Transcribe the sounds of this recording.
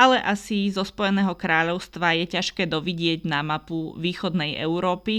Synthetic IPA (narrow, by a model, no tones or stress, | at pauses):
alɛʔasizɔspɔjɛnɛːɦɔkɾaːʎɔʊst̪ʋajɛcaʃkɛːd̪ɔʋiɟɪɛɟnamapuʋiːxɔd̪nɛjʔɛ̰ʊɾɔːpi